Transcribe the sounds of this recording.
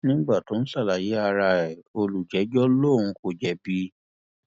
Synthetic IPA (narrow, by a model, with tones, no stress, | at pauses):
nĩ˦ɡ͡ba˦˨to˨˦n̩˦sa˦˨la˨je˨˦a˧ɾa˧ɛ˨o˧lu˨d͡ʒɛ˨˦d͡ʒɔ˦lõ˦˨ũ˧ko˨d͡ʒɛ˨˦bi˦